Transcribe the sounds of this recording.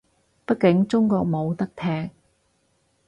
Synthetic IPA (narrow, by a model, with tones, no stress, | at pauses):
pɐ˥t̚kɪ˨˥ŋt͡sʊ˥ŋkɔː˧k̚mo˨˧wt̪ɐ˥k̚t̪ʰɛː˥k̚